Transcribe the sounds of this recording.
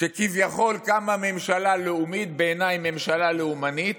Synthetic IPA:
ʃekivjaχo̞lkamame̞mʃalaleumit̪̚beenajme̞mʃalaleumanit̪

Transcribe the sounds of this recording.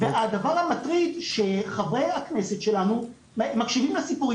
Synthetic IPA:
vead̪avaʁhamat̪ʁid̪ʃe̞χavʁeakne̞setʃe̞lanu | makʃivimlasipuʁi

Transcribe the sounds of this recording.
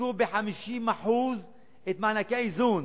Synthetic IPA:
uːbeħamiʃiːnmaħuːz | ʔet̪maʕnakajzuːn

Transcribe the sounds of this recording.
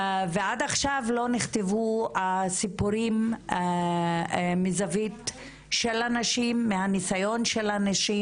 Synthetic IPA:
vead̪aχʃavlo̞niχt̪evuasipuɾim | mizavit | ʃelanaʃimːeanisajonʃelanaʃi

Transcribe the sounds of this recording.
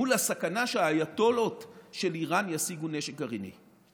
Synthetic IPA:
ulasakanaʃeaːjatolo̞tʃeliʁanjasiɡuneʃek̚ɡaʁinḭ

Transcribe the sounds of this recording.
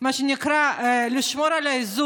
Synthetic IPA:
maʃenikɾaliʃmoɾalaizu

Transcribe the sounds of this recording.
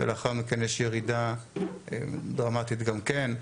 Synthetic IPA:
ḛlaχalmikɛnjɛʃjeʁida | ḛd̪ʁamat̪it̪ɡamken

